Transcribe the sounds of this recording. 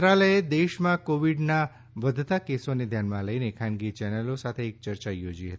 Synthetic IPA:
t̪ɾaləjed̪eʃmãkoʋiɖna | ʋəd̪ʱt̪akesoned̪ʱjanmãləinekʰãnɡit͡ʃɛnəlosat̪ʰeːk̚t͡ʃəɾt͡ʃajod͡ʒiɦət̪i

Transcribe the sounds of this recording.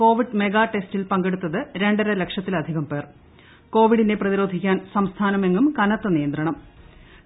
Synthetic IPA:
ko̞ːʋiɖme̞ɡaːʈe̞stilpɐŋɡe̞ɽut̪ːɐðɨɾe̞ɳɖɐɾɐle̞kʂjɐt̪ːilɐd̪ʱiɣɐmpe̞ːr | ko̞ːʋiɽinde̞prɐðiɾo̞ːd̪ʱikʲːaːnsɐmst̪ʰaːnɐme̞ŋɡumkɐnɐt̪ːɐnijɐnd̪rɐɳɐm

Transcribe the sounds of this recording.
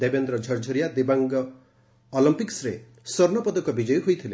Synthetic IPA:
d̪ebend̪ɾɔd͡ʒʱʌɾd͡ʒʱɔɾijad̪ebaŋɡɔː | lɔmpiksɾe | sɔɾnɔpɔd̪ɔkɔbid͡ʒɔjɔɦojt̪ʰile

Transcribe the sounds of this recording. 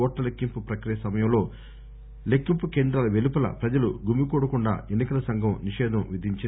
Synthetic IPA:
ɔːʈːɐlekːimpupɾɐkɾijɐsɐmɐjɐmlo̞ː | lekːimpukeːnd̪ɾalɐʋelupɐlɐ̰pɾɐd͡ʒɐluɡumikuːɽɐkuɳɖa̰ːenːikɐlɐsɐŋɡʱɐmniʃɛːd̪ʱɐmʋid̪ʱiɲt͡ʃi

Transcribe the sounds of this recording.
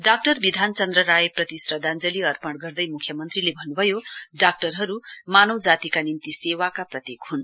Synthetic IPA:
ɖak̚ʈʌrbid̪ʱant͡sʌnd̪rʌɾajeprʌt̪isrʌd̪ʱand͡zʌliʌrpʌɽɡʌrd̪ʌjmukʰjʌmʌnt̪rilebʱʌnːubʱʌjoɖak̚ʈʌrɦʌɾumanʌwd͡zat̪ikanint̪isewakaprʌt̪jekɦun

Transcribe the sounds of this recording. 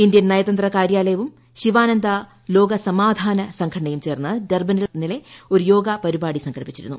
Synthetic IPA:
ind̪jɐnnɐjɐt̪ɐnd̪rɐkaːɾjaːlɐjɐʋum | ɕiʋaːnɐnd̪ɐ | lo̞ːɡɐsɐmaːd̪ʱaːnɐsɐŋkʰɐɽɐɳɐjumt͡ɕe̞ːrnːɐderbɐnilnile̞o̞ɾujo̞ːɡɐpɐɾibaːɽisɐŋɡʰʱɐɽipi̥t͡ɕːiɾṵnːṵ

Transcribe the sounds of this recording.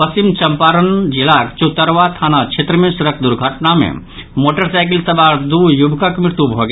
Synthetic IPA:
pəsimt͡ʃɐmpaːɾənd͡ʒilakt͡ʃut̪əɾʋat̪ʰaːnat͡ʃʰet̪ɾəmẽsuɾəkʰd̪ʊɾɡʱəʈnamḛ̃ | moːʈəɾsaɪkilsɐbaːɾd̪ujubʱkəkmɾɪt̪ubʱoɡ

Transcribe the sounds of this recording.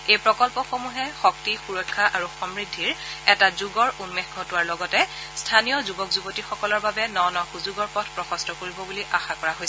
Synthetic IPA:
ejpɹɔkɔlpɔxomuɦɛxɔktixuɹɔkʰːaʔaɹuxɔmɹidʱːiɹɛtazuɡɔɹʔunmexɡʱɔtʊwaɹlɔɡɔtɛ | stʰanijɔzubɔkzubotixɔkɔlɔɹbabɛnɔnɔxuzuɡɔɹpɔtʰpɹɔxɔstɔkoɹibɔbuliʔaxakɔɹaɦojsɛ

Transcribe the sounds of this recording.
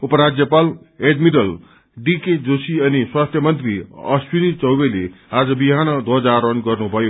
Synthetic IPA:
upʌɾad͡zjʌpal | eɖmiɖʌl | ɖiked͡zosiʌniswast̪ʰjʌmʌnt̪riʌ̰swinit͡sʌwbelead͡zʌbiɦanʌd̪ʱʌd͡zaɾʌnɡʌrnubʱʌjo

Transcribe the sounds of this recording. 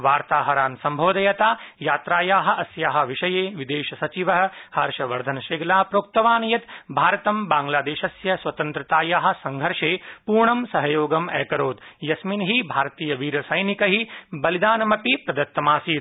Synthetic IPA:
ʋaːɾt̪aːɦɐɾaːnsɐmbʱoːd̪ɐjɐt̪aːjaːt̪ɾaːjaːɦɐ̆ʔɐsjaːɦɐ̆ʋiʃɐjeːʋid̪eːʃɐsɐt͡ʃiʋɐɦɐ̆hɐɾʃɐʋɐɾd̪ʱɐnɐʃeːɡlaːpɾoːk̚t̪ɐʋaːnɐjɐt̪bʱaːɾɐt̪ɐmbaːŋɡlaːd̪eːʃɐsjɐsʋɐt̪ɐnt̪ɾɐt̪aːjaːɦɐ̆sɐŋɡʱɐɾʂeːpuːɾɳɐmsɐɦɐjoːɡɐmɛ̰ːkɐɾoːd̪jɐsminɦibʱaːɾt̪iːjɐʋiːɾɐsɐjnikɐɦibɐlid̪aːnɐmɐpipɾɐd̪ɐt̪ːɐmaːsiːt̪

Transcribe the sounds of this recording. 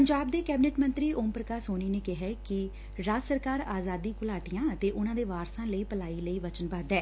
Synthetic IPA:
pəɲd͡ʒaːb̚d̪eːkɛːbɪnɛːʈmə̃nt̪ɾiːʔoːmpɾəkaːsɦoːniːneːkɪɦɛːkɪ | ɾaːsəɾkaːɾaːzaːd̪iːkʊlaːʈijãːət̪eːʔʊnãːd̪eːʋaːɾsãːləiːpəlaːiːləiːʋət͡ʃənbaːd̪ɛː

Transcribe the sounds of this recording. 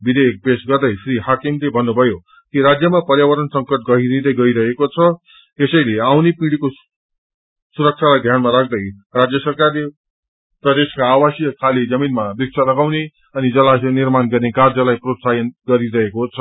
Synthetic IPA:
bid̪ek̚besɡʌrd̪ʌjpʰriɦakimlebʱʌnːubʱʌjo | kiɾad͡zjʌmapʌrjawʌɾʌnsʌŋkʌʈ̚ɡʌɦinid̪ʌjɡʌiɾʌɦekot͡sʰʌ | t̪esʌjleawnepiɽiko | suɾʌk̚t͡sʰalajd̪ʱjanmaɾak̚ʰd̪ʌj | rad͡zjʌsʌrkarle | rɾʌd̪eskaːwasjkʰalid͡zʌminmabik̚sʰalʌɡawne | ʌnid͡zʌlanirmanɡʌrnekard͡zʌlajprot̪sajʌnɡʌɾiɾʌɦekot͡sʰʌ

